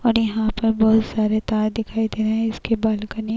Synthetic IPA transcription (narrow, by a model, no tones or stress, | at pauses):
ɔːɾjɐɦãpɐɾbɔːt̪saːɾet̪aːɾd̪ɪkʰaːid̪eːnɦɛ̃ɪskebaːlkɐne